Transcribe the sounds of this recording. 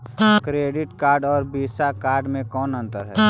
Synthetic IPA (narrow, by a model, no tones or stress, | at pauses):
kɾeːɖɪʈkaːɾɖɔːɾbiːsakaːɾɖmẽkɔːnə̃nt̪əɾɦɛ